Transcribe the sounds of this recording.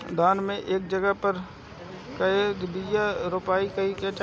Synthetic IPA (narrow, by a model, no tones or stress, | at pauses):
d̪aːnmẽʔeːk̚d͡ʒəɡəɦpɐɾ | kɐed̪bijaɾʊpaːikɐiket͡ʃʰ